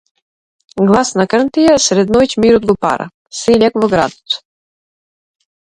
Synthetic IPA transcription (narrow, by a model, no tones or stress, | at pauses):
ɡlˠasnakərnt̪ijasɾɛd̪nɔjcmiɾɔd̪̚ɡɔpa̰ɾa̰ | silʲakvɔɡɾa̰d̪ot̪